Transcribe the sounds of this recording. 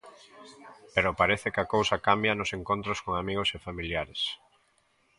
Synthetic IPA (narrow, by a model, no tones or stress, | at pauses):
peɾʊpaɾeθɪkakowsɐkambjɐnʊseŋkont̪ɾoskoŋamiɣosefamiljaɾes